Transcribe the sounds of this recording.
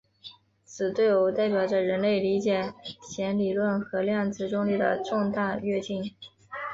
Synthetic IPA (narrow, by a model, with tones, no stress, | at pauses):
t͡sʰɹ̩˨˩t̪we˥˩ɪo˧˥ʊt̪a˥˩ɪpjɑ˨˩ʊʈ͡ʂə˧˩ɻə˧˥nle˥˩ɪli˧˥t͡ɕjɛ˨˩t͡ɕʰjɛ˧˥nli˨˩lwə˥˩nxɤ˧˥ljɑ˥˧ŋt͡sɹ̩˥˩ʈ͡ʂʊ˥ŋli˥˩d̪ə̰˩ʈ͡ʂʊ˥˧ŋt̪a˥˧ɥɛ˥˧t͡ɕi˥˩n